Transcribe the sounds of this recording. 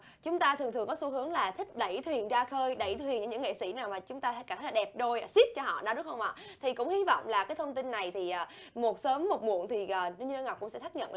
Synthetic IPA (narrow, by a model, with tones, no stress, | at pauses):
t͡ɕʊ˨˦ŋ͡mt̪aː˧t̪ʰɨ˨˩əŋt̪ɨ˨˩əŋkɔ˨˦su˨˧˦ɦɨ˨˦əŋlaː˨˩t̪ʰï˦˥k̟̚ɗə˧˩jt̪ʰwi˨˩ənzaː˧xəː˧jɗə˧˩jt̪ʰwi˨˩nt͡ɕɨ˧˩ɲɨ̰˧˥ŋḛ˧˨sḭ˧˥naː˨˩wmaː˨˩t͡ɕʊ˨˦ŋ͡mt̪aː˧˥ka˧˩t̪ʰə˦jlaː˨ɗɛ˨˩p̚ɗo˧jsi˦˥t̚t͡ɕɔ˧ɦɔ̰˧˨ɗa˨˦ɗʊ˦˥kxə˧wŋ͡mʔa̰˧˨t̪ʰi˨˩kʊ̰˧˥ŋ͡mhi˨˧˦vɔ̰˧˨wŋ͡mlaː˨˩kaː˨˦jt̪ʰə˧wŋ͡mt̪i˧nːa˨˩jt̪ʰi˨˩ʔaː˨˩mo˨˩t̚səː˨˦mːo˨˩t̚mṵ˧˨ənt̪ʰi˨˩ʔəː˨˩nɨ˧ɲ˧ɗŋa˨˩wk͡pkʊ̰˧˥ŋ͡msɛ̰˧˥t̪ʰa˦˥k̚ɲə̰˧˨n